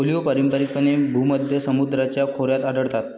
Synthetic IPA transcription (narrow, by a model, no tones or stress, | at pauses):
olijopəɾimpəɾikpənebʱuməd̪ʱjəsəmud̪ɾat͡ɕjakʰoɾjat̪aɖəɽt̪at̪̚